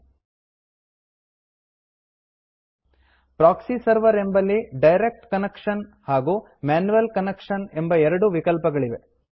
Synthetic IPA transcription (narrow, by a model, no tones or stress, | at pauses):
pɾaːksisɐɾʋɐɾe̞mbɐlːiɖɐjɾek̚ʈkɐnekʂɐnhaːɡu | maːnuʋɐlkɐnekʂɐnembɐɛɾɐɽuʋikɐlpɐɡɐɭiʋe̞